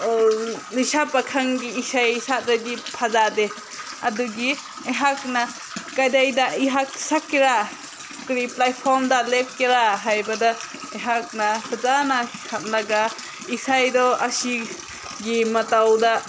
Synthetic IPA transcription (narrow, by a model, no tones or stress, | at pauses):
lisapakʰaŋɡiːsajsat̚daɡipʰazade | ɐduɡi | iɦakna | kajdajdaiɦak̚sakːiɾa | kɾiplajpʰɔmdalep̚kiɾaɦajbɐda | iɦak̚napʰazanakʰam̚laɡa | isajdɔɐsi | ɡimɐtawda